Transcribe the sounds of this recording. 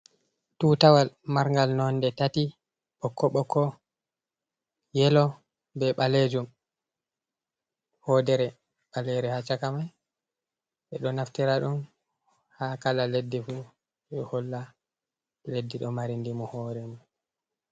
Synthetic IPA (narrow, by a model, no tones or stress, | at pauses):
tutawalmaɾŋɡalnɔndɛtati | ɓɔkːɔɓɔkʰːɔ | jɛlɔ | bɛɓaled͡ʒum | hɔdɛɾɛ | ɓalɛɾɛhat͡ʃakamaj | ɓɛɗɔnaftiɾaɗum | hakalaledːifu | ɗɔhɔlːa | ledːiɗɔmaɾindimɔhɔːɾɛmɔ